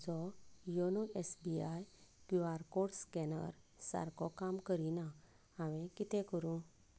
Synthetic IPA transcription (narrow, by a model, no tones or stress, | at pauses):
d͡zɔjɔnoesbiajkuaɾkoɽskɛnə̰ɾsa̰ɾkɔkamkəɾina | aʋɛ̃kit̪ɛ̃kəɾũ